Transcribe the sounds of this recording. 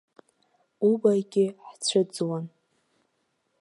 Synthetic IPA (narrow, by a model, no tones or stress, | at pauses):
ubajɡʲɪħt͡sʷʰɨd͡zwan